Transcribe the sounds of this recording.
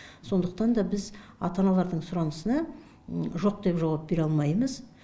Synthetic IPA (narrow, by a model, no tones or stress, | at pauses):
so̞nd̪əqt̪ɑnd̪ɑbɪzɑt̪ɑnɑlˠɑɾd̪əɴsʊɾɑnəsənɑ | ʒo̞q̚d̪e̞pʒɑwɑp̚be̞ɾɑlˠmɑjməz